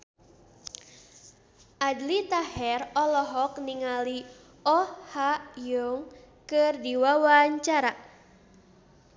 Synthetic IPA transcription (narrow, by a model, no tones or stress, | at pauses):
ʔadlit̪ahɛrɔlɔɦɔkniŋali | ɔhaʔjuŋ | kɨrdiwawaɲt͡ʃaɾa